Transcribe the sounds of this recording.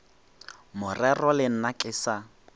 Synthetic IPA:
mʊrɛrɔlɪn̩nakʼɪsa

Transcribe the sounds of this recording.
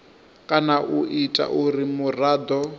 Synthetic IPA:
kʼanaʔuʔitʼa̰ʔuɾimuraːd̪ɔ

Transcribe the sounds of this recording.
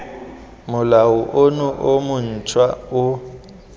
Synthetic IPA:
mʊlaʊʔonʊʔomʊn̩t͡ʃʼwaʊ

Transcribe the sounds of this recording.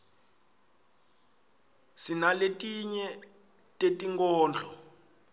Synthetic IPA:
sinaletʼiɲɛ | tʼetʼiŋkʼɔːnd͡ɮʱɔ̥

